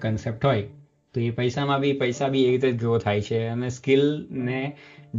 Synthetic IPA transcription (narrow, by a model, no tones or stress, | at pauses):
kənsep̚ʈɦoj | t̪oepəjsamãbʱipəjsabʱiekɾit̪eɡɾot̪ʰajt͡ʃʰeəneskɪlned͡ʒ